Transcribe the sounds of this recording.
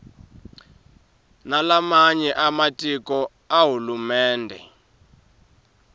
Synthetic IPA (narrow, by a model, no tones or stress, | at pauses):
nalamaɲɛʔamatʼikɔ | aɦulumɛːndʱɛ̰